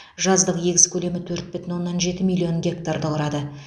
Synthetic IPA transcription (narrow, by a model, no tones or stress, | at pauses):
ʒɑzd̪əqje̞ɡʲɪzkʲʰɵle̞mɪt̪ʰɵɾt̪̚bɪt̪ɪnwo̞nːɑnʒe̞t̪ɪmilʲˠːio̞ŋɡʲe̞k̚t̪aɾd̪əqəɾɑd̪ə